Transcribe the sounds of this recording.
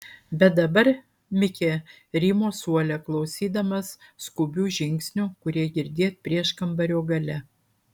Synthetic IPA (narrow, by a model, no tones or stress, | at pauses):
bʲɛt̪̚d̪ɐbɐɾ | mʲɪkʲeː | ɾʲiːmoːsuɔlʲɛklˠɐʊsʲiːd̪ɐmɐsskʊbʲuːʒʲɪŋʲksʲnʲʊkʊɾʲiɛɡʲɪɾʲd̪ʲeːt̪̚pʲɾʲiɛʃkɐmbɐɾʲoːɡɐlʲɛ